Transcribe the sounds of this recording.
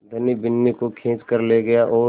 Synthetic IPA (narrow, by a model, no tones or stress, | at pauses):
d̪ʱɐnibɪnːikokʰẽːt͡ʃkɐɾleɡɐjaʔɔː